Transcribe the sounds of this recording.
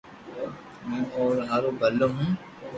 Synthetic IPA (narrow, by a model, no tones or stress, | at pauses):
mɛ̃ːʔɔːɾɦaːɾobɐlːoɦũː